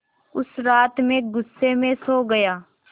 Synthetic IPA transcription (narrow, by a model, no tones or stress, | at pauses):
ʊsɾaːt̪mẽɡʊsːemẽsoːɡɐjaː